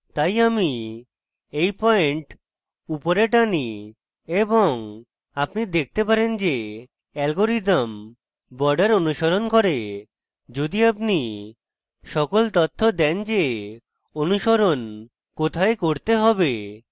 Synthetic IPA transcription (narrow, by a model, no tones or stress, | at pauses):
t̪ajami | ejpɔeɳʈ | upoɾeʈani | eboŋ | apnid̪ek̚ʰt̪epaɾend͡ʑe | ɛlɡoɾit̪m | bɔɾɖaɾonuʃoɾonkoɾe | d͡ʑod̪iapni | ʃɔkolt̪ot̪ʰːod̪ɛnd͡ʑe | onuʃoɾon | kot̪ʰaekoɾt̪eɦɔbe